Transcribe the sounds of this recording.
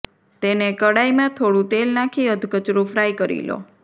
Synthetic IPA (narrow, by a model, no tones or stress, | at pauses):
t̪enekəɽajmãt̪ʰoɽũt̪elnakʰiəd̪ʱkət͡ʃɾũfʰɾajkəɾḭlo̰